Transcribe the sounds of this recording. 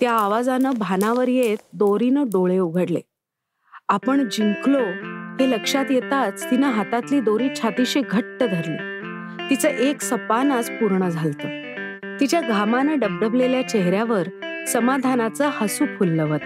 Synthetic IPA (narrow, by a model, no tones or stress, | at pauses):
t̪jaːʋad͡zanəbʱanaʋəɾjet̪̚d̪oɾinəɖoɭeuɡʱəɽlḛ | apəɳd͡ʑiŋkloɦ̪eləkʂat̪jet̪at͡st̪inaɦat̪at̪liːd̪oɾiːt͡ɕʰat̪iɕeɡʱəʈːəd̪ʱəɾlo | t̪it͡səʔeksəpanat͡spuɾɳəd͡zʱalt̪ə | t̪it͡ɕjaɡʱamanəɖəb̚ɖəbleljat͡ɕeɦɾjaʋəɾsəmad̪ʱanat͡səhasukʰulːəʋət̪